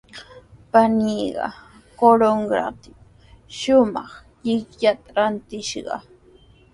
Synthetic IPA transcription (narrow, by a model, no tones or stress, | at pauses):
paniːɢɑ̰ | koɾoŋɡɾa̰t̪ɪ | ʃʊmɑχ | ʎɪkʎat̪aɾant̪ɪʃɢɑ̰